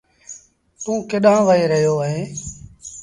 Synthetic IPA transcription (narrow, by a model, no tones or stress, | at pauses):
t̪ũːkɪɗãːʋəeːɾəɦijoːəɦeː